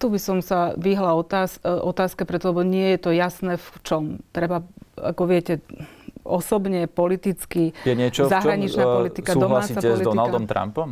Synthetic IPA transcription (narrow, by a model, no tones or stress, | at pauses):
t̪ubisɔmsaʋiɦlaɔasʔɔt̪aːskɛpɾɛt̪ɔlɛbɔɲɪɛjɛt̪ɔjasnɛːft͡ʃɔmt̪ɾɛbaa̰kɔʋɪɛcɛ | ɔsɔbɲɛpɔlit̪it͡skijɛɲɪɛt͡ʃɔzaɦɾaɲit͡ʃnapɔlit̪iskauɔɦlaaːsiːt͡saɛɔzlid̪ɔinald̪ɔmt̪ɾa̰mpɔm